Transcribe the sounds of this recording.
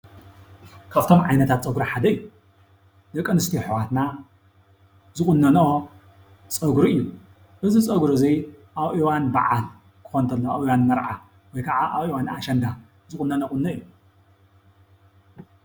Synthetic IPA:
kʰaβt̪ʰo̞mʕajnɐt̪ʰat̪̚t͡sʼɐɡɾaħad̪ɐɨjːu | d̪ɐkʼːɐnɨst̪ʰiħwat̪na | zɨχʼʊnːɐno | t͡sʼɐɡɾuɨjːu | ʔɨzit͡sʼɐɡɾɨziʔaβʔiwanba̰ʕal | kʰɨ̥xont̪ʰɐlːɐaβiwanmɐɾʕa̰ | wɔjkʰaʕaʔaβiwanaʃɐnd̪a | zɨχʼʊnːɐnoχʼʊnːɐɨjːu

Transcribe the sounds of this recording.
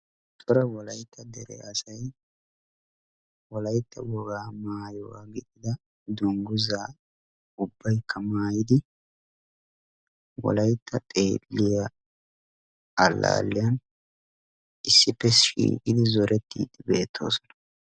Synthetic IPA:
t̪ʼɔɾɐwɔlɐjt̪ːɐd̪ɛɾɛ̰ʔɐsɐj | wɔlɐjt̪ːɐwɔɡaːmaːjɔwaɡɪt̪ʼɪd̪ɐ | d̪ʊŋɡʊzaː | ʊbːɐjkʰːɐmaːjɪd̪ɪ | wɔ̰lɐjt̪ʰːɐt̪ʼeːlːɪja | ɐlːa̰ːlːɪjɐn | ɪsːɪpːɛʃʃḭːkʼɪd̪ɪzɔɾɛt̪ːḭːd̪ɪbeːt̪ʰːo̞̰ːsɔ̥nɐ̥

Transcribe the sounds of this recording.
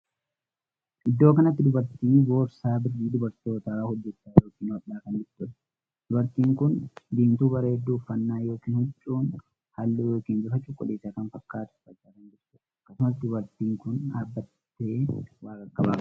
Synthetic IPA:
ʔɪd̪ːo̞ːkɐnɐt̪ːɪd̪ʊbɐɾt̪iːbo̞ːɾsaːbɪrːiːd̪ʊbɐɾt̪o̞ːt̪ahɔd͡ʒːɛt͡ʃːaːjo̞ːkiːnwɐʔːaːkɐnd͡ʒɪɾt̪ʊᶑɐ̥ | d̪̥ʊbɐɾt̪iːŋkʊnd̪iːmt̪uːbɐɾeːɛd̪ːuːfːɐnːaːjo̞ːkiːnhʊt͡ʃʼːuːn | hɐlːuːjo̞ːkiːnd͡ʒ̪ʊfɐt͡ʃʼːʊkʼːɔ̰leːsakɐnfɐkːaːt̪ɐ̥fɐtːaːkɐnd͡ʒɪɾsʊːᶑɐɐkːɐsʊmɐsd̪ʊbɐɾt̪iːŋkʊnaːbːɐt̪ː | e̞ːwaːkɐkʼːɐba̰ː

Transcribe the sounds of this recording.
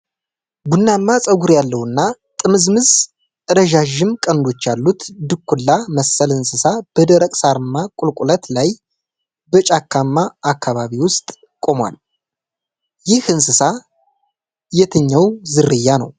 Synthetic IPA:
bunːamːasʼəɡuɾjalːəwɨnːa | t̪ʼɨmɨzmɨz | ɨɾəʒaʒɪmkʼənd̪o̞t͡ʃːjalːut̪d̪ɨkʰʷːulːaməsːəlɨnsɨsab̥əd̪əɾəkʼsaɾɨmːakʼʊlkʼulət̪laj | bət͡ʃʼakʰːamːaːkʰːaβaβiwʊst̪ʼ | kʼo̞mwa̰l | jɪhɨnsɨsa | jɛt̪ʰəɲːawzɨrːɨjːanə̰w

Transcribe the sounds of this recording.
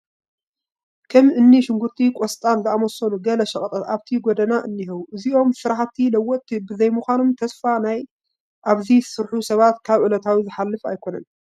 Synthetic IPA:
kʰɐmɨnːiʃɪŋɡut̪ʼːikʼɔst̪ʼanzɨamɔsɐnuɡɐlɐʃɐχʼɐt̪ʼɐt̪aβt̪ʰiɡod̪ɐnaʔɨnːihɐwuʔɨziʔo̞msɨɾaħat̪ʰilɐwːɔt̪ːibɨzɐjmuxʷanomt̪ʰɐsfanaj | ʔaβzisɨɾħusɐβat̪kʰaβʕʊlɐt̪ʰawizɨħalːɨfa̰jkʰo̞nɐ̰n

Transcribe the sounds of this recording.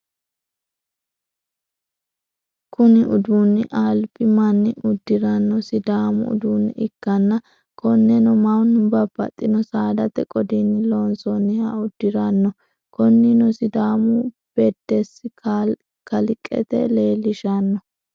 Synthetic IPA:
kʊnɪʔʊd̪uːnːɪʔaːlpɪmɐnːɪʊd̪ːɪɾɐnːɔsɪd̪aːmʊ̰ʊ̰d̪uːnːɪkːɐnːɐ | kɔnːɛnɔmɐwnbɐbɐ̰t̪ʼːɪnɔsaːd̪ɐt̪ɛkʼɔd̪inɪloːnsɔnːɪhɐʊd̪ːɪɾɐnːɔ | kɔnːɪnɔsɪd̪aːmʊ | b̥ɛd̪ːɛsɪ | kɐlɪkʼːɛ̰t̪ɛ̰le̞ːlːɪʃɐnːɔ

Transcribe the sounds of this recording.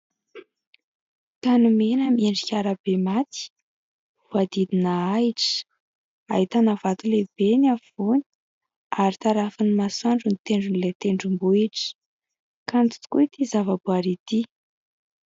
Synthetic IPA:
t̪anumenəmieɳɖ͡ʐikʲaɾəb̥emat̪i̥ | vuad̪id̪inəaiʈ͡ʂə̥ | a̰ɦit̪anavat̪ulebenav̥uni̥ | aɾit̪aɾafinimasaɳɖ͡ʐunit̪eɳɖ͡ʐunilet̪eɳɖ͡ʐumbuiʈ͡ʂə̥ | kant̪u̥t̪u̥kuit̪izavəbuaɾit̪i

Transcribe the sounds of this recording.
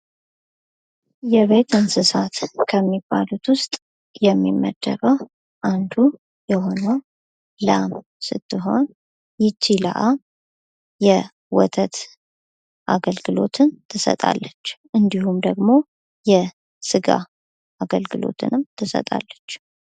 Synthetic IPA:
jɛβe̞t̪ɨnsɨsat̪kʰəmːibːalut̪wʊst̪ʼ | jɛmːimːə̰d̪ːəβə | ʔand̪u | jɛho̞nəw | lam | sɨt̪ʰːɨɦo̞n | jɪt͡ʃːila̰ʔa | jɛ | wɔ̰t̪ʰət̪ | ʔaɡəlɡɨlo̞̰t̪ʰɨnt̪ʰɨsə̰t̪ʼa̰lːət͡ʃːʔɨnd̪ihumd̪əɡmo̞ | jɛ | sɨɡa̰ | aɡəlɡɨlo̞̰t̪ʰɨ̰nɨmt̪ʰɨsə̰t̪ʼa̰lːət͡ʃː

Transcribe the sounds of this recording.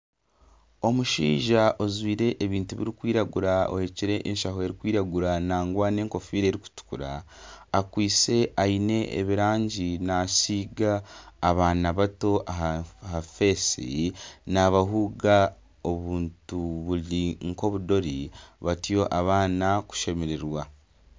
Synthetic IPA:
o̞muʃḭːʒaʔozwiːɾe̞ʔːβiːntuβḭɾikwiːɾaɡuɾao̞̰he̞ciɾe̞ʔːnʃaɦo̞e̞ɾikwiːɾaɡuɾanaːŋɡwaːneːŋko̞fiːɾeːɾiku̥tu̥kuɾa̰ː | kwiːt͡se̞ʔaine̞ʔḛβiɾaːɲɟinasiːɡaːβaːnaβato̞ʔaɦhafe̞sḭnaβaɦuːɡa | o̞βuːntuβuliŋko̞βudo̞ɾiβatijo̞ʔaβaːnaku̥ʃe̞meɾeɾwa

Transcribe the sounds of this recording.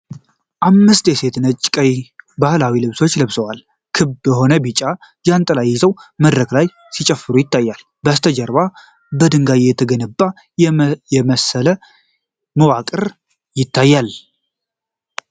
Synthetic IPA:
ʔamːɨst̪jɛse̞t̪nət͡ʃʼːkʼəjbahlawilɨβso̞t͡ʃːlɨβsəwal | kʰɨbjɛho̞nəbit͡ʃʼːa | jant̪ʼəlajːɪzəwməd̪ɾəklaj | sit͡ʃʼəfːɨɾujɪt̪ʰːajːal | bəst̪ʰəd͡ʒəɾba | bəd̪ɨŋɡajjɛt̪ʰəɡənɨbːa | jɛməsələ | məwakʼɨɾ | jɪt̪ʰːajːal

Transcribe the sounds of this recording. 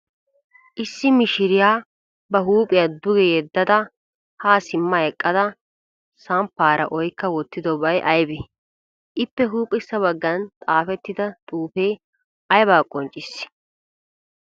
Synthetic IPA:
ʔɪsːɪmɪʃɪɾɪjaː | bɐɦuːpʼɪjad̪ʊɡɛjɛd̪ːɐd̪ɐ | haːsɪmːɐɛkʼːɐd̪ɐ | sɐmpːaːɾʔɐ̰ʔɔjkːɐwɔt̪ːɪd̪ɔbɐjʔɐjbɛ | ʔɪpːɛɦuːpʼːɪsːɐβɐɡːɐnt̪ʼaːfɛt̪ːɪd̪ɐt̪ʼuːfeː | ɐjbaːkʼːɔnt͡ʃʼɪsɪ̥

